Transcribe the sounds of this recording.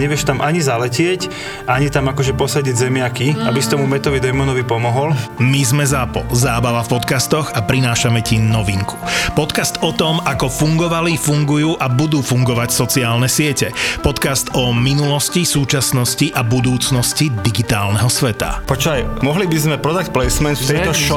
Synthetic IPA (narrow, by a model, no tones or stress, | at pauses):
ɲɛʋɪɛʃt̪amʔaɲizalɛcɪɛc | ʔaɲit̪amakɔʒɛpɔsaɟiɟzɛmɪakiabist̪ɔmumɛt̪ɔʋid̪ɛmɔnɔʋipɔmɔɦɔlmizmɛzapɔ̰lzaːbaʋafpɔt̪kast̪ɔɣapɾinaːʃamɛcinɔʋiŋku̥pɔt̪kast̪ɔt̪ɔmakɔfuŋɡɔʋalifuŋɡujuːʔabud̪uːfuŋɡɔʋacsɔt͡siaːlnɛsɪɛcɛpɔt̪kast̪ɔminulɔscisuːt͡ʃasnɔsciʔabud̪uːt͡snɔscid̪iɡit̪aːlnɛɦɔsʋɛt̪a̰pɔt͡ʃɔajmɔɦlibizmɛpɾɔd̪acplɛjsmɛnft̪ɛjt̪ɔʃɔ